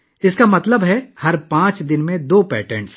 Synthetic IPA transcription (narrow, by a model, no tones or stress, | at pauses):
ɪskamɐt̪ləbɦɛhɐɾpãːt͡ʃd̪ɪnmẽd̪oːpɛːʈəɾɳs